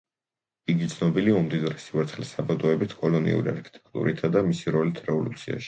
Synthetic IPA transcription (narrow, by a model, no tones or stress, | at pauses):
iɡit̪sʰnɔbiliaumd̪id̪ɾɛsivat̪sχlisabad̪ɔɛbit̪ʰkʼɔlɔnḭṵɾia̰ɾkʰi̥t̪ʼɛ̥kʰt̪ʼṵɾit̪ʰad̪amisiɾɔlit̪ʰɾɛvɔlut̪sʰia̰ʃi̥